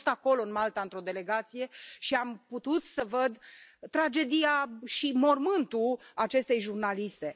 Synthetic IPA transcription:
st̪ako̞lo̞ɨnmalt̪aɨnt̪ɾo̞d̪e̞le̞ɡat̪sije̞ʃiamput̪ut̪səvəd̪ːɾad͡ʒe̞d̪ijaʃimo̞rmɨnt̪uat͡ʃe̞st̪e̞jʒurnalist̪e̞

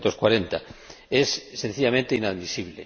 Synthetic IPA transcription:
nt̪oskwaɾent̪aessːen̟θiʎamẽnt̪einaðmisiβlḛ

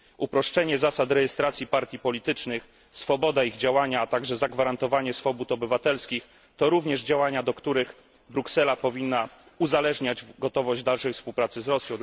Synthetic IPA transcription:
ʔupɾɔʂt͡ʂɛɲɛzasat̪ɾɛjɛst̪ɾat̪sʲjipaɾt̪ʲjipɔlʲit̪ɘt͡ʂnɘx | sfɔbɔd̪aiɣd͡ʑawaɲaːt̪aɡʐɛzaɡvaɾant̪ɔvaɲɛsfɔbut̪ɔbɘvat̪ɛlskʲix | t̪ɔɾuvɲɛʐd͡ʑawaɲad̪ɔkt̪uɾɘx | bɾuksɛlapɔvʲinːa | uzalɛʐɲad͡ʑɡɔt̪ɔvɔʑd͡ʑd̪alʂɛjfspuwpɾat̪sɘzɾɔsʲjɔ̃w̃

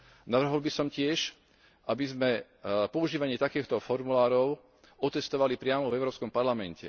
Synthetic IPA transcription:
naʋr̩ɦɔlbisɔmcɪɛʃ | ʔabizmɛ | pɔuʒiːʋaɲɪɛt̪akɛːxt̪ɔfɔɾmulaːɾɔʊ | ɔt̪ɛst̪ɔʋalipɾɪamɔvɛʊɾɔːpskɔmpaɾlamɛncɛ̰

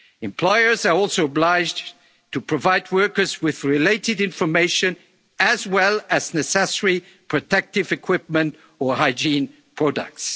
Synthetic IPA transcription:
ɨ̃mpʰl̥ɔɪə˞zə˞ɔlˠsoʊəblaɪd͡ʒ | tʰɨpʰɹ̥ɔvaɪd̚wɜ˞kə˞zwɪðɹɪleɪtɨdɪ̃ɱfə˞meɪʃɨ̃n | ɨzwɛlˠɨznɛsɛsəɹi | pʰɹ̥ɨtʰɛk̚tɪvɨkʰw̥ɪp̚mə̃nt | ə˞haɪd͡ʒĩn | pʰɹ̥ɔdə̰k̚ts

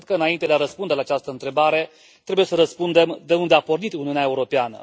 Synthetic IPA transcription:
d̪̚kəɨnaint̪ed̪eaɾəspund̪e̞laːt͡ʃast̪əɨnt̪ɾe̞baɾe̞ | t̪ɾe̞buje̞səɾəspund̪e̞md̪e̞und̪e̞apo̞rnit̪uniuneae̞uɾo̞peanə̰

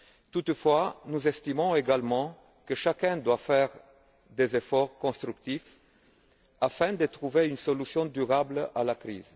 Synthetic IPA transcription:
t̪ut̪fwanuzɛst̪imɔ̃eɡalmɑ̃ | kəʃakɛ̃d̪wafɛʁ | d̪ezefɔʁkɔ̃st̪ʁykt̪if | afɛ̃d̪ət̪ʁuveynsɔlysjɔ̃d̪yʁablalakʁḭːz

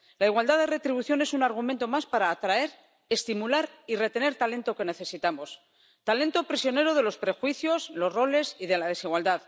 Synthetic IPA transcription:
laiɣwald̪aðere̞t̪ɾiβuθjo̞ne̞sunaɾɣ̞umẽnt̪o̞maspaɾaːt̪ɾae̞ɾ | e̞st̪imulaɾire̞t̪e̞ne̞ɾt̪ale̞nt̪o̞ke̞ne̞θe̞sit̪amo̞s | t̪ale̞nt̪o̞pɾisjo̞ne̞ɾoð̞e̞lo̞spɾe̞xwiθjo̞zlo̞zro̞le̞siðe̞laðe̞siɣwald̪að

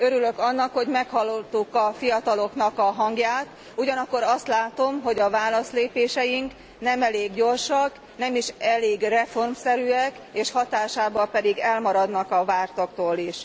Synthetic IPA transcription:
øɾylø̞kɒnːɒkho̞ɟmɛkhɒlːot̪ːukɒfijɒt̪ɒlo̞knɒkɒɦɒŋɡjaːt̪ | uɟɒnɒkːo̞ɾɒst̪laːt̪o̞mɦo̞ɟɒvaːlɒsleːpeːʃɛjiŋk | nɛmɛleːɡɟo̞rʃɒk | nɛmiʃɛleːɡrɛfo̞rmsɛɾyːɛk | eːʃhɒt̪aːʃaːbɒpɛd̪iɡɛlmɒɾɒd̪nɒkɒvaːrt̪okt̪oːliʃ

